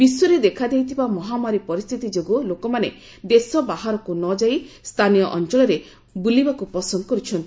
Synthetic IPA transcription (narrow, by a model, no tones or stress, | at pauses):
b̥isɔɾed̪ekʰad̪ejt̪ʰibamɔɦamaɾipɔɾist̪ʰit̪id͡ʒoɡulokɔmane | d̪esɔbaɦaɾɔkunɔd͡ʒaist̪ʰanijɔʔɔnt͡ʃɔɭɔɾe | bulibakupɔsɔnd̪ɔkɔɾut͡ʃʰɔnt̪i